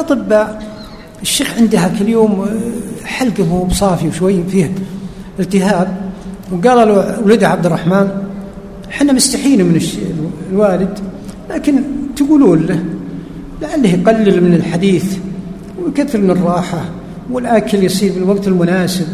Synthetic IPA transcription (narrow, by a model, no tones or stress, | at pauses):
ʔɑt̪ˤɨbːa | ɪʃːeːxʕɪnd̪hakɪljoːm | ħalɡamubsˤɑːfiwʃwajːfiːhɪlt̪ɪhaːb̚wɡaːlawalɪd̪ʕabd̪ɪrˤːɑħmaːn | ħɪnːamʊst̪aħiːnumɪnɪʃlwaːlɪd̪ | laːkɪnt̪aɡuːluːnla | laʕalːahjqalːɪlmɪnɪlħad̪iːθ | wjkaθːɪɾmɪnɨrˤːɑːħa | wɪlʔakɪljsˤiːɾbɪlwaɡt̪ɪlmʊnaːsɪb̚